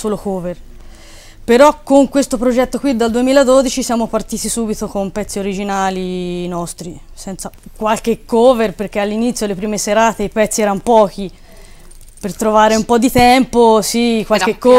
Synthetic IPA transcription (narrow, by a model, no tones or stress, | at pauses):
soːlokoːver | peɾɔkːoŋkwest̪opɾod͡ʒɛt̪ːokwid̪ːald̪uemiːlad̪od̪it͡ʃisjaːmopart̪iːt̪isuːbit̪okompɛt̪sːioɾid͡ʒinaːlinɔst̪ɾisɛnt̪sakwalk̟ekːoːverperk̟ealːinit̪sjolepɾiːmeseɾaːt̪eipɛt̪sːiɛːɾanopɔːk̟i | pert̪ɾovaːɾeumpɔd̪ːit̪ɛmposikwalkekːo